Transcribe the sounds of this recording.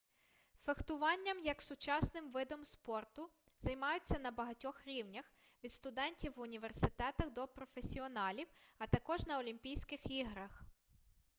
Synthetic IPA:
fext̪ʊʋɑnʲːɐmjɐksʊt͡ʃɑsnɪmʋɪd̪ɔmspɔrt̪ʊ | z̥ɐjmɑjʊt͡sʲːɐnɐbɐɦɐtʲɔxɾʲiwnʲɐxʋʲid̪st̪ʊd̪ɛnʲtʲiwːʊnʲiʋersɪt̪ɛt̪ɐxd̪ɔpɾɔfesʲiɔnɑlʲiwɐt̪ɐkɔʒnɐɔlʲimʲpʲijsʲkɪxiɦɾɐx

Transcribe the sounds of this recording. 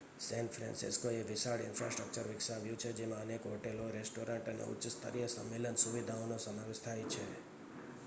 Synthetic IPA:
sɛ̃ɳʈfʰɾɛ̰̃nsḭskoeʋɪsaɽɪnfɾasʈɾək̚t͡ʃəɾʋɪksaʋjũt͡ʃʰed͡ʒemãənekɦoʈeloɾesʈoɾaɳʈənḛʊ̰tːʃst̪ʰə̰ɾijəsəmːelənsuʋid̪ʱaonosəmaʋeʃt̪ʰajt͡ʃʰḛ

